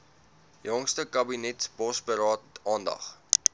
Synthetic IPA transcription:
jɔŋstəkɐbinɛtsbɔsbəɾɑːtɑːndɐ̰χ

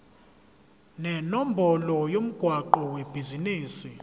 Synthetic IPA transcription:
nɛnom̩bʱɔlɔjom̩ɡ̥ʱwaǃɔweb̥ʱiziniːsi

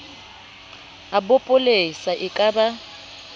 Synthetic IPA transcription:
abʊpʼʊlesaʔɪkʼaba

